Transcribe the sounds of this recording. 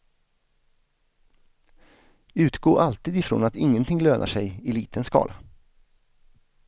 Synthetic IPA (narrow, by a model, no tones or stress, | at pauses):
ʉ̟ːt̪ɡoːʔalt̪iːd̪ɪfɾo̰ːnat̪ɪŋːənt̪ʰɪŋløːnʔa̰ʂɛjɪlḭːt̪ʰənskɑ̰ːlʔa